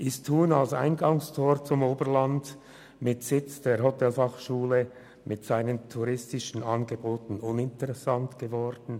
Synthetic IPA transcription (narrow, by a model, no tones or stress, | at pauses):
ʔɪstʰhuːnalsa̰ɪnɡɑŋstʰoːɾt͡sʊmoːbəɾlɑnd | mɪtsɪt͡sd̥eːɦotʰɛlfɑχʃuːlə | mɪtsaɪnəntʰuʁɪstɪʃn̩ɑnɡəboːtn̩ʊnɪntəʁɛsɑntɡ̥əvɔɾd̥n̩